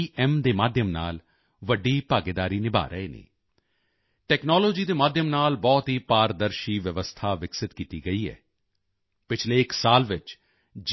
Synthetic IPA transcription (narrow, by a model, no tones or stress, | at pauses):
ɛmd̪eːmaːd̪ʱjəmna̰ːl | ʋəɖːiːpaːɡed̪aːɾiːnɪba̰ːɾə̰eːnḛː | ʈɛːknɔːloːd͡ʒiːd̪eːmaːd̪ʱjəmnaːlbɔːt̪ɦiːpaːɾd̪əɾʃiːʋjəʋəst̪ʰaːʋɪksɪt̪kiːt̪iːɡəiːɛ̰ː | pɪt͡ʃʰleːɪksaːlʋɪt͡ʃ | d͡ʒ